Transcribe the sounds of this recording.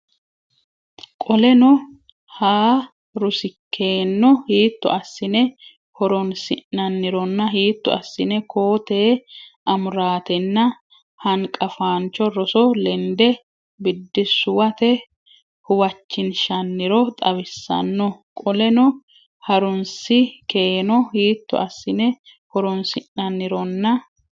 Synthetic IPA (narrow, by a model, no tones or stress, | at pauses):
kʼɔlɛnɔ | haː | ɾʊsɪkʰːe̞ːnːɔhiːt̪ːʊ̰ɐsːɪnɛ | hɔɾɔnsɪnːɐnːɪɾɔnːɐhiːt̪ːʊ̰ɐsːɪnɛkʰoːt̪eːʔɐmʊɾaːt̪ɛnːɐ | hɐŋkʼɐfaːnt͡ʃːɔɾɔsɔlɛnd̪ɛ | bɪd̪ːɪsʊwɐt̪ɛ | hʊwɐt͡ʃːɪnʃɐnːɪɾɔt̪ʼɐβɪsːɐ̰nːɔkʼɔlɛnɔ | hɐɾʊnsɪkeːnɔhiːt̪ːɔ̰ʔɐsːɪnɛ | hɔɾɔnsɪnːɐnːɪɾɔnːɐ